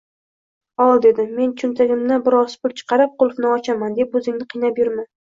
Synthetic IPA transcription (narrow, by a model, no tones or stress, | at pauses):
ɒlˠd̪e̞d̪ɪme̞nt͡ʃʰʊnt̪ʰaɡʲɪmnɪbɪɾɒzpʊlt͡ʃʰɨ̥qʰɑɾɪp̚qolˠfnɪɒt͡ʃʰamand̪e̞pɵzɪŋnɪqʰijnapjʊɾmɪ